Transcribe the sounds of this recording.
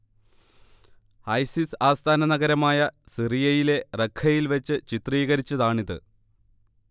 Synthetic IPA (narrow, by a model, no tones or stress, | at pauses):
ɐjsisaːst̪ʰaːnɐnɐɣɐɾɐmaːjɐsirijɐjile̞rekʰːɐjilʋet͡ɕːɨt͡ɕit̪riːɣɐɾit͡ɕːɐðaːɳiðɨ̰